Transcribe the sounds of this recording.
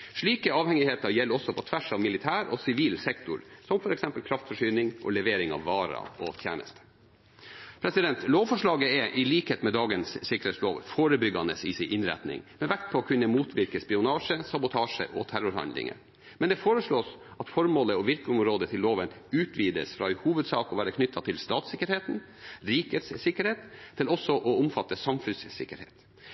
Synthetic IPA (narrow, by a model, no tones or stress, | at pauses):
ʂɭiːkəɑːʋhɛŋɪheːt̪ɑɾjɛlːɔsːɔpʰɔt̪ʰʋæʂɑʋmɪlɪt̪ʰæːɾɔsɪʋiːlsɛkt̪ʊ̰ɾsɔmfɔɾɛksɛmpəlkʰɾɑft̪fɔʂyːnɪŋʔɔ̰lɛʋeːɾɪŋɑ̰ʋːɑːɾɑ̰ɔt̪ʰjæ̰ːnə̰st̪ə̥ | pʰɾɛsɪd̪ɛnt̪loːʋfɔʂɭɑːɡəɛʔɪliːkheːt̪mɛd̪ɑːɡənssɪkəɾeːt̪sloːʋfoːɾəbʏɡɑnəsɪsɪʔɪnɾɛ̰t̪nɪ̰ŋmɛʋækt̪̚pʰɔːkʰʉnːəmuːt̪ʰʋɪɾkəspɪʊnɑːʂəsɑbʊt̪ʰɑːʂə̰ʔɔ̰t̪ʰæɾʊɾhɑ̰nd̪lɪ̰ŋə̰ɾ | mɛnd̪ɛfoːɾəʂɭoːsɑt̪fɔɾmoːləɔʋɪɾkɔmɾoːd̪ət̪ʰɪlːoːʋənʉːt̪ʰʋiːd̪ə̰sfɾɑhuːʋəd̪sɑ̰ːkɔʋæːɾəkʰnʏt̪ʰːɑt̪ʰɪlst̪ɑːt̪sɪkːəɾheːt̪n̩ | ɾiːkət̪ssɪkəɾheːt̪ʰːɪlɔsɔʔɔʊmfɑt̪ːəsɑmfʉnssɪ̰kːəɾhḛːt̪